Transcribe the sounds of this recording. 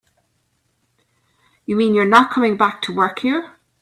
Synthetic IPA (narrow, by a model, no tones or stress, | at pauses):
jəmĩnjə˞nət̚kʰʌ̃mɪ̃ŋbak̚tʰəwɜ˞khiɹ